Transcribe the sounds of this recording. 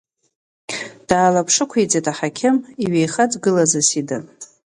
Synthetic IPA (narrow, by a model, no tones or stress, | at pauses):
d̥aːlapʰʂɨkʷʰet͡sʼetʼaħakʲʰɪmiɥejχad͡zɡɨlazasidɨ